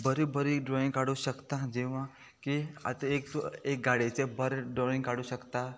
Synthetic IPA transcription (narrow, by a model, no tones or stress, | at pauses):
bəɾibəɾiɖɾoĩŋɡkaɽuʃəkt̪ãd͡ʒeʋã | kia̰t̪ə̃ek̚t̪oek̚ɡaɽit͡ʃebəɾɖɾoĩŋɡkaɽuɕəkt̪a